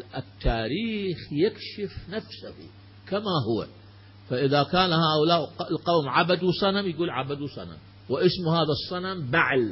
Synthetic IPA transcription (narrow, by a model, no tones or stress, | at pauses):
ʔɪt̪ʰːaːɾiːxjɪkʃɪfnafsahṵ | kamaɦʊwa̰ | faʔɪðakaːnhaːʔʊlaːʔlqawmʕabad̪wsˤɑnamjɡuːlʕabad̪uwsˤɑ̰na̰m | wɪʔɪsmhaːðasˤːɑnambaʕl